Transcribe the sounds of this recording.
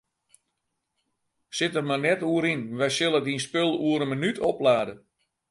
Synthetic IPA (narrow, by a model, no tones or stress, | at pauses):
sɪtərmanɛtuəɾinʋɛjsɪlˠədinspɪlˠuəɾənmənytʰɔplaːdə